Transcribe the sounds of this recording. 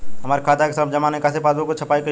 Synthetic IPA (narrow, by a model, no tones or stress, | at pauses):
ɦɐmaːɾekʰaːt̪akesəbd͡ʒɐmaːnekɛsepaːd̪õkot͡ʃʰɐpaːikɐ